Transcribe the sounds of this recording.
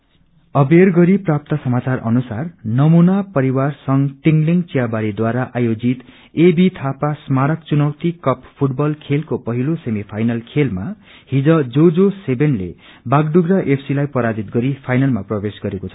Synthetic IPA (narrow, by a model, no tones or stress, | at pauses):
ʌberɡʌɾiprap̚t̪ʌsʌmat͡sarʔʌ̰nusarnʌmunapʌɾiwarsʌŋʈiŋɡliŋɡt͡sijabaɾid̪waɾaʔajod͡zit̪ | ebit̪ʰapasmaɾʌkt͡sunʌwt̪ikʌppʰuʈ̚bʌlkʰelkopʌɦilosemipʰajnalkʰelma | hid͡zʌd͡zod͡zosebenlḛ | baɡɖuɡrʌʔepʰsilajpʌɾad͡zit̪̚ɡʌɾipʰajnalmaprʌbesɡʌɾekot͡sʰʌ